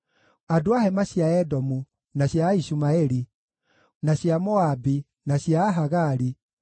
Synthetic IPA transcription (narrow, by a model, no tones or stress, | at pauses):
adoahɛmaɕjaɛdɔmu | naɕjaiʃumaɛɾi | naɕjamɔabi | naɕjaːɦaɣaɾi